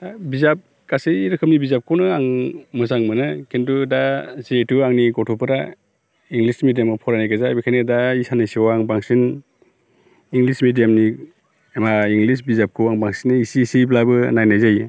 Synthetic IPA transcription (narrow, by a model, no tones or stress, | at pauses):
bizap̚ | kaseɾɯkʰɯp̚nibizap̚kʰownɯaŋmɯzaŋmɯnɯkintudazetuaŋnikɔtʰupʰɯɾa | iŋɡlismidijamɯpʰɔɾanajɡazabikʰanidaisanɯjsiwaŋbaŋsin | iŋɡlismidijamni | maiŋɡlisbizap̚kʰɯwaŋbaŋsinɯisisiblabɯnajnajzaj